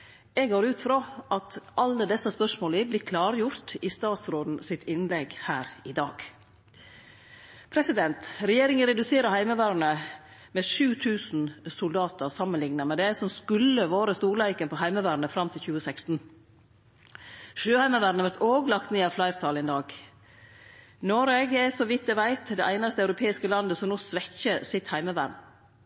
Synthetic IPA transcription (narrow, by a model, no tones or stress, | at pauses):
ɛɡoːɾʉːt̪fɾoʔɑt̪ʔɑlːəd̪ɛsːɑspœʂmoːliblɪkʰlɑːɾjʊɾt̪ɪst̪ɑːt̪sɾoːd̪n̩sɪt̪ʰɪnlɛɡhæːɾɪd̪ɑːɡ | pʰɾɛsɪd̪ɛnt̪ɾɛjeːɾɪŋənɾɛd̪ʉseːɾəhæɪməʋæːɾɳə | mɛʃʉːt̪ʰʉːsn̩sʊld̪ɑːt̪əɾsɑmːənlɪŋnəmɛd̪ɛæsɔmskʉlːəʋoːɾəst̪uːɾɭæɪkənpʰɔhæɪməʋæːɾnəfɾɑmt̪ʰɪlçʉːəsɛkst̪n̩ | ʃøːhæɪməʋæːɾnəʋæɾt̪oːɡlɑkt̪neːɑːʋflæɪɾt̪ʰɑːlɪnd̪ɑːɡ | noɾɛɡɛsɔʋɪt̪̚d̪ɛʋæɪt̪d̪ɛʔæɪnɑst̪əɑʉɾʊpʰeːɪskəlɑnd̪əsɔmnɔːsʋɛçəsɪt̪hæɪməʋæ̰ɾn